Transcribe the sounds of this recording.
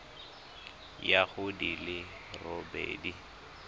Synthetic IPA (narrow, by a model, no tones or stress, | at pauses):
jahʊdilɪ | robḛːdi